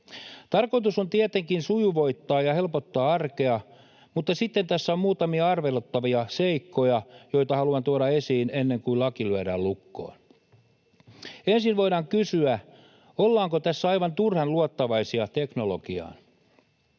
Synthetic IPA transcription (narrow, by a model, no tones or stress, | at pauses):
t̪ɑrko̞it̪uso̞nt̪iet̪eŋkinsujuʋo̞it̪ːɑːjɑhe̞lpot̪ːɑːɑrke̞ɑ | mut̪ːɑsit̪ːent̪æsːæommuːt̪ɑmiɑɑrʋelot̪ːɑʋiɑseikːojɑjo̞jt̪ɑhɑluɑnt̪uoɾɑesiːnenːeŋkuilɑkilyæɾæːllukːo̰ːn | ensinʋo̞iɾɑːŋkysyæ | olːɑːŋkot̪æsːæɑiʋɑnt̪urhɑnluot̪ːɑʋɑisiɑt̪eknolokiɑ̰ːn